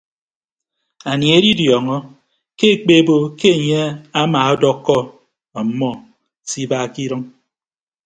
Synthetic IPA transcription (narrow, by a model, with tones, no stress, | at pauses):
a˨nji˨e˦di˦djɔ˨ŋɔ˦ | ke˦e˨k͡pe˦bo˦ke˦e˨ɲe˦a˦maː˨ɔ˦dɔ˦kːɔ˦ | a˨˦mːɔ˦˨ | si˦baː˦ki˦ɾɨ˦ŋ